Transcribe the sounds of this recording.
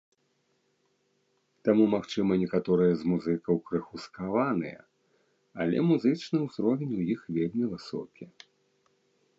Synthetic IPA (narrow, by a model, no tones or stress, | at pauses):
t̪amumaxt͡ʂɨmɐnʲɛkat̪ɔɾɨjɐzmuzɨkɐwkɾɨxuskavanɨ̰jɐ̰ | ɐlʲɛ̰muzɨt͡ʂnɨwzɾɔvʲenʲujixvʲelʲmʲivɨsɔ̰kʲʰi